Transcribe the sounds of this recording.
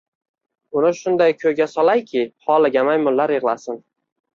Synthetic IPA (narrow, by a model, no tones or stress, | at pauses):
ʊnɪʃʊnd̪ajkʲʰɵjɡʲasɒlajkʲʰɪhɒlɪɡʲamajmʊlːaɾjɨʁlˠasɪn